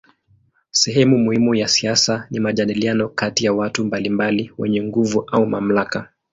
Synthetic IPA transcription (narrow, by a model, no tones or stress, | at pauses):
sɛɦɛmumuhimujasiasanimaʄaɗilianɔkatijawatumbalimbaliwɛ̰ɲɛŋɡuvuʔaumam̩laka